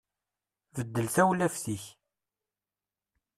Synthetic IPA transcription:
vəd̪ːəlθæwlæfθiç

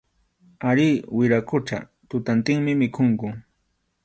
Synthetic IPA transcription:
aɾiːwɪɾakʊʈ͡ʂa̰ | t̪ʊt̪ant̪ɪŋmɪmɪkʰoŋkʊ

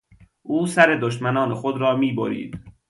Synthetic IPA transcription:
ʔuːsæɾe̞d̪oʃmænɒːnexod̪ɾɒːmiːbo̰ɾḭːd̪̥

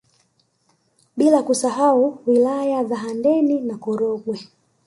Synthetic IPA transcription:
ɓilakusaɦauwilajazaɦandɛninakɔɾɔɡwɛ

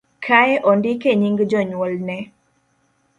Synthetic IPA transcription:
kʰaɛʔɔndɪkeɲiŋɡd͡ʒɔɲwɔlnɛ

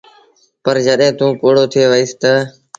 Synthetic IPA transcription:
pəɾd͡ʒəɗɦẽːt̪ũːkoːɽoːt̪ʰɪeːʋəiːst̪ə

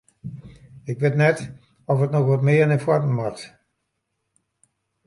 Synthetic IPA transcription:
ɪkʋɪtnɛt | ɔfətnɔxʋɔtmɪənɛfwɔrməmaxt

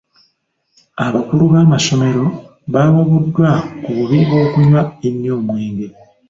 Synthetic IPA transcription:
aβakuluβaːmaso̞me̞ɾo̞ | βaːβaβudːwakuβuβiβo̞ːkuɲwaenːjoːmwe̞ːŋɡe̞

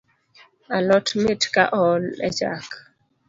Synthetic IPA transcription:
alɔtmɪtkaʔɔlɛ̰d͡ʒa̰k

